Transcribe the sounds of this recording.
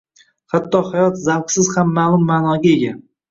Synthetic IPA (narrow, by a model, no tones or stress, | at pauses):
hat̪ʰːɒhajɒt̪zawqsɪz̥hamːalˠʊmːaːnɒɡʲae̞ɡʲa